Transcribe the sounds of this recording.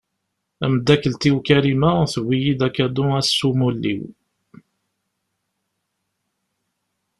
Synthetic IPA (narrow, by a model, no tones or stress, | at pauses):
æməd̪ːækəlt̪iwkæɾimæθəwːijid̪ækæd̪uæsːumulːḭw